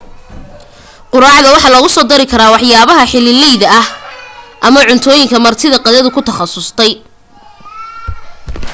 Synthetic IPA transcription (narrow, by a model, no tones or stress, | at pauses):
qʊɾɑːʕðɐwɑħɑlɐɣʊsɔːd̪ɐɾɪkʰɐɾaːwɑħjaːβɐɦɐħɪlɪlɛjðɐɐhʔɐmɐʕʊnt̪ʰɔːjɪŋkʰɐmɐrt̪ʰɪðɐqɑðɐðʊkʰʊt̪ʰɐχɑsʊst̪ʰɛj